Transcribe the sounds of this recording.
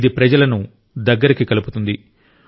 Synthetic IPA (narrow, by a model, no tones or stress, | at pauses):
d̪ipɾɐd͡ʒɐlɐnu | d̪ɐɡːɐɾikikɐluput̪und̪i